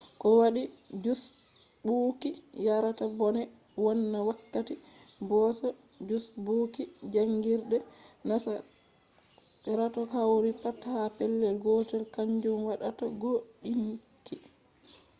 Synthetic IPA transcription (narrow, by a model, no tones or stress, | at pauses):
kɔwaɗid͡ʒus | buːkijaɾatabɔnɛ | wɔnːawakːatibɔsɔ | d͡ʒusbuːkid͡ʒaŋɡiɾɗɛnasa | ɛɾatɔkawɾipathapɛlːɛlɡɔtɛlkaɲd͡ʒumwaɗataɡoɗinikːi